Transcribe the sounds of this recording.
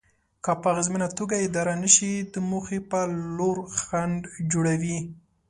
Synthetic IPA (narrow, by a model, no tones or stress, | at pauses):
kɑpaɣɪzminat̪oɡaɪd̪ɑɾanəʃid̪əmuxepaloɾxaɳɖd͡ʒoɽawi